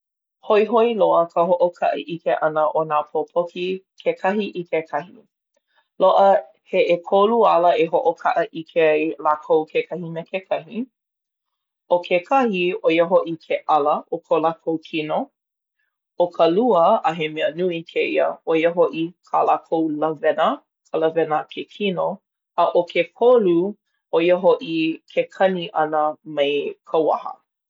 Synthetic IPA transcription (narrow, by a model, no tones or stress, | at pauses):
hoiɦoiloəkʰəɦoʔokʰɐ̰ʔḭʔikʰeʔɐnəʔonaːpʰopʰoki | kʰekʰɐɦiʔikʰekʰɐhi | loʔə | heʔekʰoluɐləeɦoʔokʰaʔəʔikʰeɐjlaːkʰowkʰekʰɐhinəkʰekʰɐhi | okʰekʰɐhiojəɦoʔikʰeʔɐləʔokʰolakʰowkʰino | okʰəluəəɦemɛənuikʰeiə̰ojəɦoʔikʰalakʰowlɐvɛnə | kʰələvɛnəkʰekʰino | əʔokʰekʰolu | ʔojəɦoʔikʰekʰɐniʔɐnəmejkʰɐwɐ̰hə̰